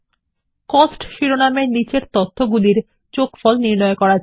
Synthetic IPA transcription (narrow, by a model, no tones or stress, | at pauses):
kɔsʈʃiɾonamenit͡ɕeɾt̪ot̪ʰːoɡuliɾ | t͡ɕokfɔlniɾnɔekɔɾad͡ʑ